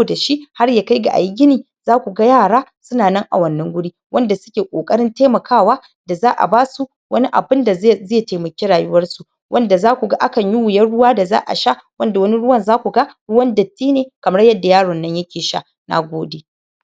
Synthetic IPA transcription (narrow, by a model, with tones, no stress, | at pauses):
o˦˨da˨ʃi˦ʔha˦rjaː˨ka˦jɡa̰˨ʔa̰˨jɡʲɪ˦niː˨ | zaː˦kʷu˨ɡa˦jaː˦˨ɽaː˦sʊ˦naː˨nɐ˦ŋʔa̰˨wɐ˦nːɐ˦ŋɡʷʊ˦ɽiː˦ | wʔɐ˦nda˨sʊ̥˦kʲeː˨kʷʼo̰ː˨kʼɐ˦ɽɪ˦nteː˦mɐ˨kʰaː˦waː˦ | da˨zaː˦ʔa̰˨baː˦su˦ | wɐ˦ni˦ʔa̰˨bɪ˦nda˨zeː˦˨teː˨mɐ˨kʲeː˦ɽaː˨jʊ˦wɐ˦rsu˨ | wʔɐ˦nda˨zaː˦kʷu˨ɡa˦ʔa˦kɐ˨ɲjɪ˦wʊ˨jɐ˦rɽʊ˦waː˦da˨za̰ː˦ʔa̰˨ʃa˦ʔwɐ˦nda˨wɐ˦ni˦ɽʊ˦wɐ˦nzaː˦kʷu˨ɡa˦ɽʊ˦wɐ˦ndɐ˨tːiː˦neː˨kɐ˨m˦ɽɐ˦jɐ˦dːa˨jaː˦ɽɔ˨nːɐ˦ɲjɐ˦kʲeː˨ʃa̰˦˨ | na̰˨ɡʷoː˦deː˨